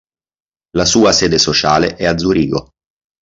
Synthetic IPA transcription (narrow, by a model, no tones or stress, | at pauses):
lasuːaseːd̪esot͡ʃaːleʔɛad̪zuɾiːɡo